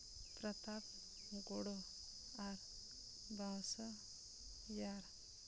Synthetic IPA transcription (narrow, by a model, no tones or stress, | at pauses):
pɾat̪ap̚ | ɡɔɽɔ | aɾ | bãwsə | jaɾ